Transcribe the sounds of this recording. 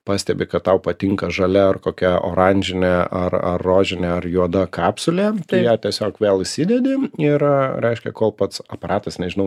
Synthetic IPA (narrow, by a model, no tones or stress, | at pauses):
pɑːsʲt̪ʲɛbʲɪkɐt̪tɐʊpɐt̪ʲɪŋkɐʒɐlʲɛɐrkoːkʲɛo̰ːɾɐnʲd͡ʒʲɪnʲɛʔɐrɐ̰rːoːʒʲɪnʲɛɐrjuɔd̪ɐkɑːpsʊlʲeːt̪ɐɪjæːt̪ʲiɛsʲoːkʋʲeːlˠɪsʲɪd̪ʲɛd̪ʲɪɪrɾʲɛɪʃʲkʲɛkoːlˠpɐt̪sɐpɐɾɑːt̪ɐsnʲɛʒʲɪnɐʊ